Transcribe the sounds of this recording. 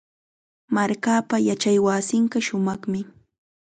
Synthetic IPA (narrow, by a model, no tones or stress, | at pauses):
maɾkaːpajat͡ʃajwasɪɴɢɑʃʊmɑχmɪ